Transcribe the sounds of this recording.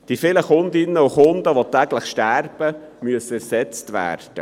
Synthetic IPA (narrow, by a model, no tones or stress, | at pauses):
d̥ifɪləχʊnd̪ɪnːəuχʊnd̪əʋotæɡləχʃtærb̥əmyəsːəæɾsɛt͡stʋæ̰ːrd̥ə̰